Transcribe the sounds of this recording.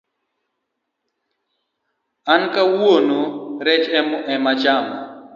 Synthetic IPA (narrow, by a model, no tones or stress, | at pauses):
ankawuonoɾɛt͡ʃɛmʊʔɛmat͡ʃama̰